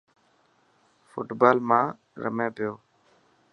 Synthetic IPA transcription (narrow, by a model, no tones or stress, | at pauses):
fʰʊʈbaːlmãː | ɾə̰mẽːpɪjoː